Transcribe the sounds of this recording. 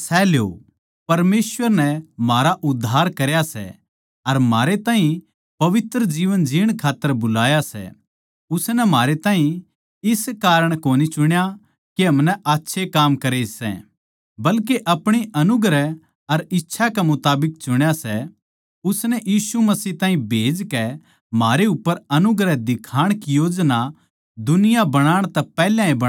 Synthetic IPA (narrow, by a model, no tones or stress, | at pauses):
sɛːljo̰ | pɐɾmeːsʋəɾnɛmaːɾaʔʊd̪ʱːaːɾkɐɾjasɛ̰ | ɐɾmaːɾet̪ãːɦĩ | pɐʋɪt̪ɾəd͡ʒiːʋənd͡ʒiːəɽ̃kʰaːt̪ːəɾbʊlaːjasɛ̰ | ʊsnɛmaːɾet̪aːɦĩ | ɪskaːɾəɽ̃koːnit͡ʃʊɽ̃ja | keɦɐmnɛʔaːtːʃʰekaːmkɐɾesɛ̰̃ | bɐlk̬eʔɐpɽ̃iʔɐnʊɡɾɛ | ɐɾɪtːʃʰakɛmʊt̪aːbɪk̚t͡ʃʊɽ̃jasɛ | ʊsnɛjiːsumɐsiːɦt̪ãːɦĩbʱeːd͡ʒkɛ | maːɾeʊpːəɾɐnʊɡɾɛd̪ɪkʰaːɽ̃kijoːd͡ʒna | d̪ʊnɪjabɐɽ̃aːɽ̃t̪ɛpɛːljãĩbɐɽ